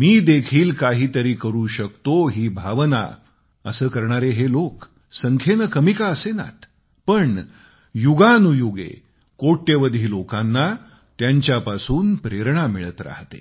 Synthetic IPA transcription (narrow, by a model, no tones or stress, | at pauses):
miːd̪ekʰiːlkaɦiːt̪əɾiːkəɾuːɕəkt̪oɦiːbʱaʋna̰ | əsəːkəɾɳaɾeɦelok | səŋkʰenəkəmikaəsena̰t̪ | pəɳ | juɡanujuɡḛ | koʈːeʋəd̪ʱiːlokanːa | t̪jaɲt͡ɕjapasuːnpɾeɾɳamiɭət̪ɾa̰ɦt̪ḛ